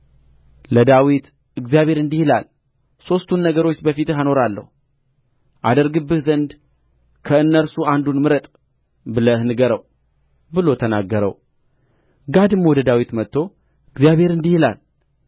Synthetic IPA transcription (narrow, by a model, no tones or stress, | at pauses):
ləd̪awit̪ | ɨɡzijaβʱhe̞ɾɨnd̪ihila̰l | so̞st̪ʰunːəɡəɾo̞t͡ʃːbəfit̪ɨɦano̞ɾalːə̰hu | ʔad̪əɾɡɨbːɨhzənd̪ | kʰəɨnːəɾsuand̪unmɨɾət̪ʼ | bɨləhnɨɡəɾəw | bɨlo̞t̪ʰənaɡːəɾə̰w | ɡad̪ɨmmowd̪əd̪awit̪mət̪ːo̞ | ɨɡzijaβe̞ɾɨnd̪ihila̰l